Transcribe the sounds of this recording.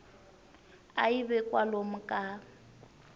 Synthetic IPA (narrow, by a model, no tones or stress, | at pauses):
aibɛkʼwalom̩kʼa